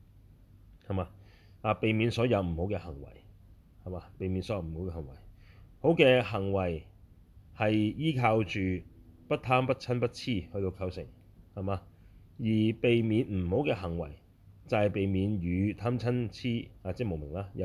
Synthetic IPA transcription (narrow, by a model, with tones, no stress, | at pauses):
hɐ˨˩maː˧ | ʔaː˧pe˨jmiː˨˧nsɔː˨˥jɐ˨˧wm̩˨˩ho˨˥wkɛː˧hɐ˨˩ŋwɐ̰˨˩j | hɐ˨˩maː˧pe˨jmi˨˧nsɔː˨˦jɐ˧m̩˨˩ho˨˥wkɛ˧hɐ˨˩ŋwɐ̰˨˩jho˨˥wkɛː˧ɦɐ˨˩ŋwɐ˨˩j | hɐ˨jjiː˥kʰaː˧wt͡ʃyː˨pɐ˥t̚t̪ʰaː˥mpɐ˥t̚t͡sʰɐ˥npɐ˥t̚t͡sʰiː˥˩hɵ˧ɥt̪o˧kʰɐ˧wsɪ̰˨˩ŋ | hɐ˨maː˧ | jiː˨˩pe˨jmiː˨˧nm̩˨˩ho˨˥wkɛː˧ɦɐ˨˩ŋwɐ˨˩j | t͡sɐ˨hɐ˨jpe˨jmiː˨˧njyː˨˧t̪ʰaː˥mt͡sʰɐ˥nt͡sʰiː˥˩aː˨˧t͡sɛ˥mo˨wmɪ˨˩ŋlaː˥jɐ˧